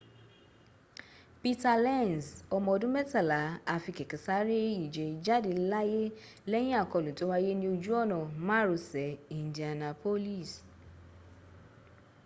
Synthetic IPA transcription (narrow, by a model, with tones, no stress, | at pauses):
pi˧ta˧lɛ˦˨n˨sɔ˧mɔ̃˧ɔ˧dũ˦mɛ˦˨ta˦˨la˨˦a˧fi˧kɛ˨kĩ˨sa˦ɾe˦i˨d͡ʒe˨d͡ʒa˦de˨˧˨la˦je˦ | lɛ˦j̃ĩ˦a˦˨kɔ˧˨lũ˨˦to˨˦wa˦je˦nĩ˦o˧d͡ʒu˦ɔ˦˨nɔ̃˨m̃ã˦ɾo˧˨sɛ˨ĩ˨n˨di˨a˨nã˧po˦li˦˨s